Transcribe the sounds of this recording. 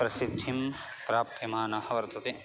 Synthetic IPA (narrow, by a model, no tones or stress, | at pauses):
pɾɐsid̪ʱːim | pɾaːp̚t̪ʰjɐmaːnɐhɐʋɐɾt̪ʰɐt̪e